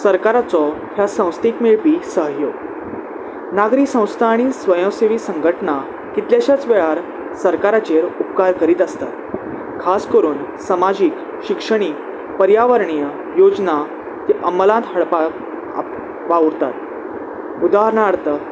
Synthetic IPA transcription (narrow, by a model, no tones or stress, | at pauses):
səɾkaɾat͡sɔ | hjasə̃w̃st̪iːkmiɭpiːsəɦjo | naɡɾiːsə̃w̃st̪ʰaːɽ̃isʋəjɔ̃seʋiːsə̃ŋɡʱəʈna | kit̪ljaɕjat͡sʋeɭaɾ | səɾkaɾat͡ɕeɾupkaɾkəɾiːt̪əst̪at̪ | kʰaskəɾuːnsəmad͡ʑiːk | ɕikʂəɽ̃iː | pəɾjaʋəɾɳijə | jod͡zna | t̪iʔəməlãnt̪ɦəɭpa | ʋauɾt̪a̰t̪̚ | ud̪aɦɾɳaɾt̪ə